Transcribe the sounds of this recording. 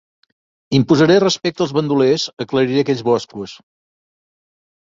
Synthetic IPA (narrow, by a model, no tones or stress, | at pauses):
impuzəɾerəspɛk̚t̪əlˠzβənd̪ulezəkləɾiɾeəkɛʎzβɔskuəs